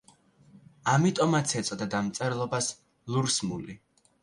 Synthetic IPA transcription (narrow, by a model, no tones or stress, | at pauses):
amit̪ʼɔmat̪sʰɛt̪sʼɔd̪ad̪amt̪sʼɛɾlˠɔbas | luɾsmuli